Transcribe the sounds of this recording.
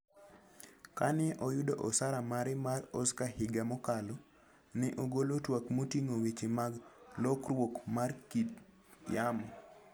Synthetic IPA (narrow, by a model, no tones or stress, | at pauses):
kanɪʔɔjudoʔɔsaɾamaɾɪmarɔskahɪɡamɔkalɔ | nɪʔoɡolotwakmotiŋowit͡ʃemaɡlɔkrwokmarkit | jamɔ